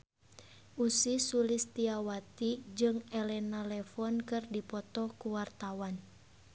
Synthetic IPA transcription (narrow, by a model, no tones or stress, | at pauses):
ʔusisulist̪iawat̪id͡ʒɨŋɛlɛnalɛfɔnkɨrdipɔt̪ɔkuwart̪awan